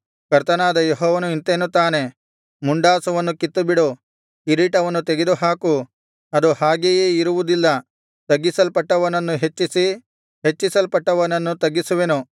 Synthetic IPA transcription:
kɐɾt̪ɐnaːd̪ɐjeɦɔːʋɐnuint̪enut̪aːne̞ | muɳɖaːsɐʋɐnːukit̪ːubiɽu | iɾiːʈɐʋɐnːut̪eɡed̪uɦaːku | ɐd̪uhaːɡejeːiɾuʋud̪ilːɐ | t̪ɐɡːisɐlpɐʈːɐʋɐnɐnːuɦet͡ʃːisi | ɦet͡ʃːisɐlpɐʈːɐʋɐnɐnːut̪ɐɡːisuʋenu

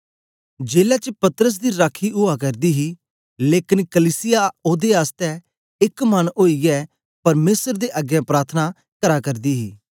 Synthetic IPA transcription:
d͡ʒeːlɛːt͡ʃəpɐt̪əɾəs̬d̪iɾaːkʰːiʔʊakɐɾd̪iːɦi | leːkɪnkəliːsɪjaoːd̪eaːst̪ɛ | ɪkmɐnoːiɡɛː | pɐɾmeːsəɾd̪eʔəɡjãpɾaːɾt̪ʰəna | kəɾakɐɾd̪iːɦiː

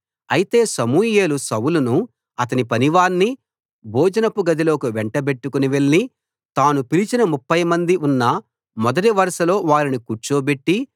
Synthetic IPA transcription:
ɐjit̪e̞ːsɐmuːje̞ːlusɐwulunu | ɐt̪ɐnipɐniʋaːɾni | bʱɔːd͡ʒɐnɐpuɡɐd̪ilo̞ːkuʋɛɳʈɐbe̞ʈːukuniʋeɭːi | t̪aːnupilit͡ʃinɐmupːɐjmɐnd̪iʔunːɐ | mɔd̪ɐʈiʋɐɾɐʃɐlo̞ːʋaːɾinikuɾt͡ʃoːbe̞ʈːi

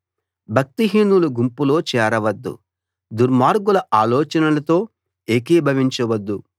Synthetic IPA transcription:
bʱɐk̚t̪iɦiːnuluɡumpulo̞ːt͡ʃɛːɾɐʋɐd̪ːṵ | d̪uɾmaːɾɡulɐʔaːlɔːt͡ʃɐnɐlɐt̪o̞ː | eːkeːbʱɐʋiɲt͡ʃɐʋɐd̪ːu

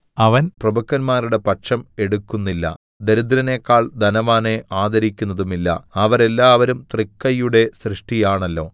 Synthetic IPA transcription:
ɐʋɐnprɐbɐkːɐnmaːɾuɽe̞pɐʈʂɐme̞ɽukːunːilːɐ̰ | d̪eɾud̪ɾɐne̞ːkːaːɭd̪ɐnɐʋaːne̞ʔaːd̪ɐɾikʲːunːɐðumilːɐ̰ɐʋɐɾe̞lːaːʋɐɾumt̪rikːɐjuɽe̞srɨʂʈijaːɳɐlːo̞̰ː

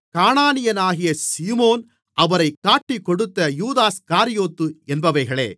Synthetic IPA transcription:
kaːɳaːnɪjɐnaːɣɪjɐsiːmoːn | ʔɐʋɐɾɐɪkːaːʈːikːɔɽɯt̪ːɐjuːðaːskaːɾɪjoːt̪ːɯɛnbɐʋɐɪɣɐɭḛː

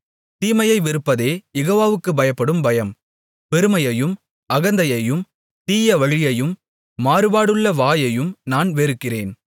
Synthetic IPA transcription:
t̪iːmɐjɐɪʋɪɾɯpːɐðeːjɛɣoːʋaːʋɯkːɯbɐjɐpːɐɽɯmbɐjɐm | pɛɾɯmɐjɐjɯm | ʔɐɣɐnd̪ɐjɐjɯm | t̪iːjɐʋɐɻɪjɐjɯmː | aːɾɯbaːɽɯɭːɐʋaːjɐjɯmnaːnʋeːɾɯkːɪreːn

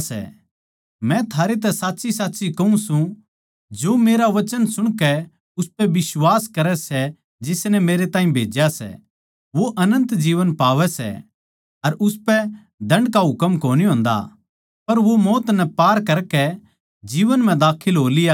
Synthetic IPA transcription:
sɛ̰ | mɛ̃t̪ʰaːɾet̪̬ɛsaːtːsisaːtːsikɐũsũ | d͡ʒoːmeːɾaʋɐt͡ʃənsʊɽ̃kɛ | ʊspɛʋɪswaːskɐɾɛsɛ | d͡ʒɪsnɛmeːɾet̪aːɦĩbʱeːd͡ʒjasɛ̰ | ʋoʔɐnə̃nt̪d͡ʒiːʋənpaːʋɛsɛ̰ | ɐɾʔʊspɛ | d̪ɐ̃ɳɖkaɦʊkəmkoːniɦõːn̆d̪a̰ | pɐɾʋomɔːt̪nɛpaːɾkɐɾkɛ | d͡ʒiːʋənm̤ɛ̃d̪aːkʰɪlɦoːlɪja

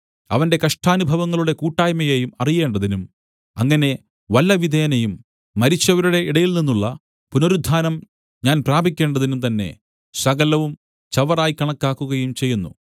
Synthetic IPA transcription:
ɐʋɐnde̞kɐʂʈʰaːnubʱɐʋɐŋːɐɭuɽe̞kuːʈːaːjmɐjejumɐrije̞ːɳɖɐðinum | ɐŋːɐne̞ | ʋɐlːɐʋid̪ʱeːnɐjumː | ɐɾit͡ɕːɐʋɐɾuɽe̞iɽɐjilninːuɭːɐ | punoɾud̪ʱːaːnɐm | ɲaːnpraːbʱikʲːe̞ːɳɖɐðinumt̪ɐnːe̞̰ | sɐɣɐlɐʋum | t͡ɕɐʋɐraːjikɐɳɐkːaːkːuɣɐjumt͡ɕe̞jːunːṵ

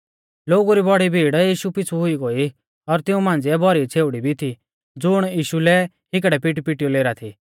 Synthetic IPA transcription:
loːɡuɾibɔɽibʱiːɽjiːʃupɪt͡sʰuɦʊiɡoːi | ɔɾt̪ɪũmãːn̆d͡ziɛbɔɾit͡sʰeːʊɽibʱit̪ʰi | d͡zʊɽ̃jiːʃulɛ | ɦɪk̬ɽɛpɪʈipɪʈijoleːɾat̪ʰiː

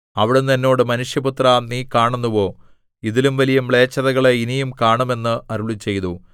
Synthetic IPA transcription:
ɐʋiɽenːɐnːo̞ːɽɨmɐnuʂjɐbut̪rɐniːkaːɳunːuʋo̞ː | iðilumʋɐlijɐmɭe̞ːt͡ɕːɐðɐɣɐɭeinijumkaːɳume̞nːɨɐɾuɭit͡ɕːe̞jt̪u

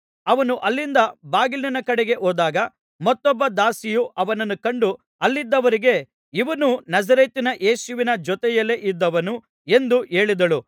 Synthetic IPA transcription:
ɐʋɐnuʔɐlːind̪ɐbaːɡilninɐkɐɽeɡe̞ʔoːd̪aːɡɐ | mɐt̪ːɔbːɐd̪aːsijuʔɐʋɐnɐnːukɐɳɖu | ɐlːid̪ːɐʋɐɾiɡe̞ | iʋɐnunɐzɐɾet̪inɐʔe̞ːsuʋinɐd͡ʒɔt̪ɛjɐle̞ʔid̪ːɐʋɐnu | e̞nd̪uʔe̞ːɭid̪ɐɭu

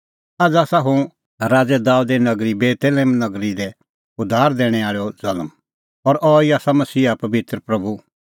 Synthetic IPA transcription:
ad͡zaːsaɦũ | ɾaːd͡zɛd̪aːud̪ɛnɐɡɾibeːt̪elẽːmnɐɡɾid̪ɛ | ʊd̪ʱaːɾd̪eːɽ̃ɛ̃aːɭɔzɐlm | ɔɾʔɔiaːsamɐsiːapɐʋɪt̪ɾəpɾɐbu

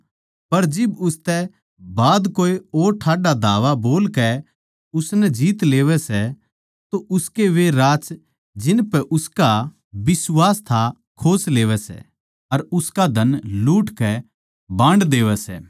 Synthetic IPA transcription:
pɐɾd͡ʒɪbʊst̪ɛ | baːd̪koːeoːɾʈʰaːɖad̪ʱaːʋaboːlkɛ | ʊsnɛd͡ʒiːt̪leːʋɛsɛ | t̪oʔʊskeʋeɾaːt͡ʃ | d͡ʒɪnpɛʔʊska | bɪswaːst̪ʰa | kʰoːsleːʋɛsɛ̰ | ɐɾʊskad̪ʱɐnluːʈkɛ | bãːɳɖd̪eːʋɛsɛ̰ː

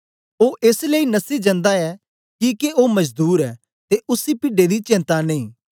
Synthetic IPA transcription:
oːʔeːsleinɐsid͡ʒɐ̃nd̪aɛ | kikeoːmɐd͡ʒd̪uːɾɛː | t̪eʔʊsːipɪɖed̪it͡ʃɛ̃ːnt̪aneĩː

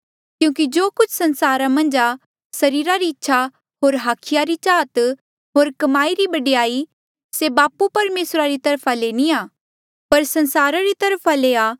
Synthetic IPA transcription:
kjũːkid͡ʒoːkʊt͡ʃʰsɐ̃nsaːɾamɐ̃nd͡ʒa | sɐɾiːɾaɾiɪtːʃʰa | ɦoːɾɦaːkʰɪjaɾit͡ʃaːt̪ | ɦoːɾkɐmaːiɾibɐɖɪjaːi | sebaːpupɐɾmeːsɾaɾit̪ɐɾpʰaleniaː | pɐɾsɐ̃nsaːɾaɾit̪ɐɾpʰaleaː

